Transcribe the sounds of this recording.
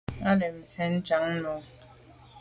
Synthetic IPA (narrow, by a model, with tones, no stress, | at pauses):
a˦le˨m̩˨fɛ˦n̩˦t͡ʃa˨˦ŋ̩˦nɔ˨˦